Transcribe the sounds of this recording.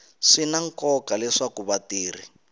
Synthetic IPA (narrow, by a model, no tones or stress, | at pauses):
ʂinaŋkɔkalɛʂakuβatiːr̤i